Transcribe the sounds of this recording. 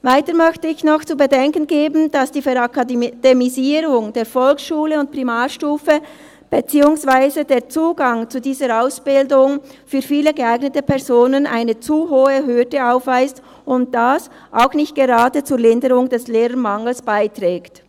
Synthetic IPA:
vaɪtəɾmœçtəɪçnɔxt͡suːbədɛŋkənɡeːbn̩d̥asd̥iːfɛɾakad̥emiziːɾʊŋd̥eːɾfɔlksʃuːləʊnt̚pʁ̥imaːʃtuːfə | b̥et͡siːʊŋsv̥aɪzədeːt͡suːɡaŋt͡sudiːzəɾaʊsb̥ɪldʊŋfyːɾfiːləɡəaɪɡnətəpʰɛʁzoːnəna̰ɪnət͡suɦoːəɦødəaʊfv̥aɪst | ʊnt̚d̥as | ʔaʊxnɪçt̚ɡ̥eʁaːdət͡suːɾlɪndəɾʊŋdɛsleːʁəmaŋl̩sb̥aɪtʁ̥ɛːkt

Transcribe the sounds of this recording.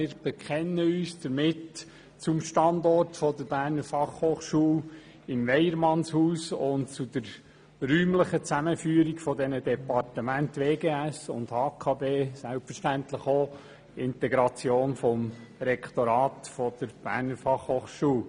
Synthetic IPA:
ɪːɾb̥əkʰχɛnːəyːsd̥əɾmɪt | t͡sʊmʃtɑndɔrtfɔdəɾb̥æːɾnəɾfɑχhoːχʃuːl | ɪmvɛjəɾmɑnshuːsʊntt͡sud̥əɾ | ryːmləχət͡sæməfyːɾiɡfɔdɛnədɛpɑrtəmæntʋeːɡeːæsʊ̰ndhɑːkʰɑːbeːsælpfəɾʃtænt̪ləχo | ɪntɛɡɾɑt͡sjoːnfɔmɾɛkʰtɔɾɑːtfɔd̪̥əɾb̥æ̰ːɾnəɾfɑχhoːχʃuːl

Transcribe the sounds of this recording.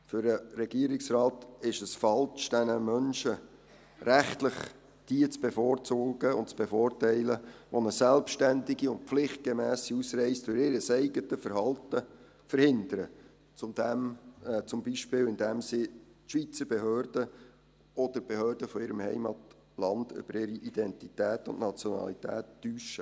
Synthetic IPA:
fʏɾəɾɛɡ̥iəɾɪksrɑːtɪʃəsfɑlt͡ʃd̥ɛnəmœnʃə | ɾæχtləχ | d̥iət͡sb̥efoːɾt͡suːɡ̥əʊ̰ntt͡sb̥efoːrtɛɪləʋɔnəsɛlpʃtændɪɡiʊnt̚pflɪχt̚ɡ̥emæːsiusrɛɪsdʊɾɪɾəsɛɪɡətəfəɾhɑltə | fəɾhɪnd̪əɾə | t͡sʊmdɛmt͡sʊmbiʃpɪːlɪndɛmsɪtʃʋit͡səɾbeɦøːɾd̥ə | ɔd̥̪əɾb̥ehøːɾd̥əfɔɪɾəmhɛ̰ɪmɑt | lɑnd̥ʏ̰b̥əɾɪɾiʔid̥̪ɛntitæːtʊ̰nʔnɑt͡sjɔnɑ̰lit̪æ̰ːtːyːʃə

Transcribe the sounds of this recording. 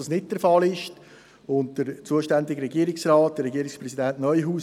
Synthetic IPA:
ɑsnɪt̚d̥əɾfɑlɪʃ | ʊntd̥əɾt͡suəʃtændɪɡəɾɛɡiːəɾɪksrɑːt̚d̥əɾːɛɡiːəɾɪkspɾɛsidænʔnœʏjɦuː

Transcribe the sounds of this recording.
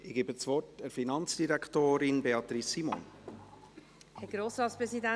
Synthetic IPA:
ɪɡ̥eːbət͡svɔtəɾfinɑnt͡sd̥iɾækʰtoːɾɪnbeɑt̪ɾisimo̰ːn | hɛɡ̥ɾoːsɾɑːtspɾɛsidæ

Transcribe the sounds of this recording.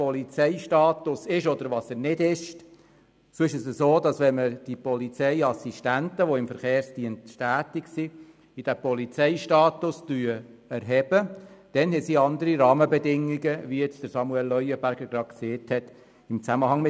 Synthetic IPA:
pɔlit͡sɛɪʃtɑːt̪ʊsɪʃɔd̪əɾʋɑsənɪdɪʃ | soːɪʃəsəsoːd̪ɑsʋɛnməd̥ipɔlit͡sɛɪɑsiʃtæntəʋoɪmfəɾχeːɾstiəntʃtæːtiksi | id̥̪æpɔlit͡sɛɪʃtɑːt̪ʊstyːæɾɦɛb̥əd̥ɛnhɛsiɑnd̪əɾiɾɑːməbɛdɪŋːiɡəʋijɛt͡sd̥əɾsɑmuɛlːœʏəbæɾɡ̥əɾɡ̥ɾɑ̥kseːthɛt̪ | ɪmt͡sæməhɑŋmɪ

